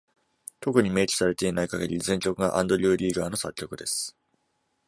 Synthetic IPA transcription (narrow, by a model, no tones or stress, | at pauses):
t̪o̞kɯ̟ɲ̟ime̞ːkʲi̥saɾe̞t̪e̞inaikaɡe̞ɾʲizẽ̞ɲ̟kʲo̞kɯ̟ɡaʔãnd̪o̞ɾʲɨːɾʲiːɡaːno̞sakʲːokɯ̟d̪e̞sɨ̥